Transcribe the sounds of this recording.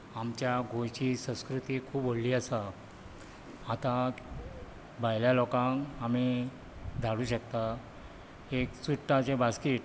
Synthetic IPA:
amt͡ɕjaɡʱojt͡ɕiːsə̃w̃skɾut̪iːkʰuːboɽliːasa | at̪a | bajljalɔkãŋami | d̪ʱaɽuːɕəkt̪a | eksuʈːat͡ɕebaskiːʈ

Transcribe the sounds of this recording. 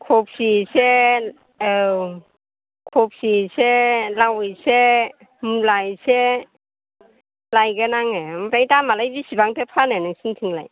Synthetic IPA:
kʰɔp̚sise | kʰɔp̚siselawɯjse | mulajse | lajɡanaŋemɾajtamalajbisibaŋtʰepʰananɯŋsintʰɯŋlaj

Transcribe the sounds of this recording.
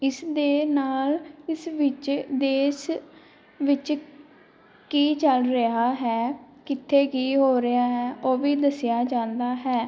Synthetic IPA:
ɪsd̪eːnaːlɪsʋɪt͡ʃd̪eːʃ | ʋɪt͡ʃ | kiːt͡ʃəlɾəɦaːɦɛː | kɪt̪ʰːeːkiːɦoːɾəaːɦɛːʔoːʋiːd̪əsɪjaːd͡ʒãːnd̪aːɦɛː

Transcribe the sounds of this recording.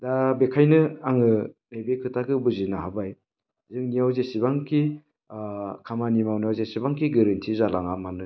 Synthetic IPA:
dabekʰajnɯaŋɯnajbekʰɯtʰakɯbuzinaɦabaj | zɯŋnijawzesibaŋkʰi | kʰamanimawnijawzesibaŋkiɡaɾɯntʰizalaŋamanɯ

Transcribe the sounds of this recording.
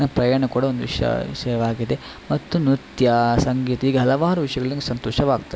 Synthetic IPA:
ɐpɾɐjɐɐɳɐkuːɽɐond̪uʋḭʂjɐ̰ʃɐjɐʋaːɡid̪e | mɐt̪ːunut̪jɐsɐŋɡiːt̪ɐiːɡɐɦɐlɐʋaːɾuʋiʂjɐɡɐɭɐnɡesɐnt̪oːʃɐʋaːɡt̪ɐ

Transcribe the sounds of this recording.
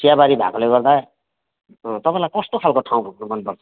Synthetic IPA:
sjabaɾibʱa̰koleɡʌrd̪a | t̪ʌpãlajkʌst̪okʰalkoʈʰaw̃bʱaknumʌnpʌrt͡sʰʌ̥

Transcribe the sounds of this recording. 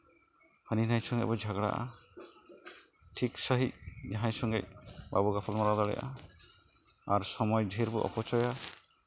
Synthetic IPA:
həninajsɔŋɡɛbɔd͡ʒʱaɡɽa̰ʔa̰ | ʈʰiksəɦic̚d͡ʒaɦãjsɔŋɡɛ̰c̚ba̰buɡapʰalmaɾad̪ɔɽɛ̰ʔa̰ | aɾsɔmɔjd͡ʒʱiɾbuʔɔ̰pɔt͡ʃɔja

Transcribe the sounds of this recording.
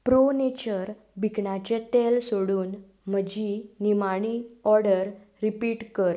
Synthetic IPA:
pɾonet͡ɕəɾ | bʱikɳat͡ɕet̪elsoɽuːn | m̤əd͡ʑinimaɽ̃iɔɾɽəɾː | ipiːʈkəɾ

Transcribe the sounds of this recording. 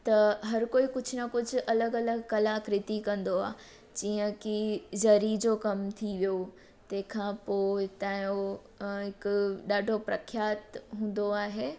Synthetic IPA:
t̪ɐɦɐɾkoːikʊd͡ʑʰʊnɐkʊd͡ʑʱʊʔɐləɡɐləɡkɐlaːkɾɪt̪ikɐ̃nd̪oa̰ː | d͡ʑiːə̃kizɐɾid͡ʑoːkɐmt̪ʰiʋijo | t̪ɐ̃ːkʰãpoːt̪aːjo | ɦɪkɗaːɖʱopɾɐkʰjaːt̪ɦũːnd̪oaːɦeː

